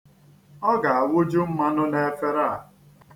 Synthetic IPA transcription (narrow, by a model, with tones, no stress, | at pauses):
ɔ˦ɡa˨a˨wʊ˦d͡ʒu˦m̩˦ma˦nʊ˦ne˨˦fe˦ɾa˦˨